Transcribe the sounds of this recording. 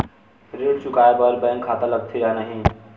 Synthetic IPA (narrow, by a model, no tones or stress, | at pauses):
ɾeɽt͡ʃukaebəɾbə̃jŋkʰat̪aləɡ̚t̪ʰiɾaɦnəɦĩ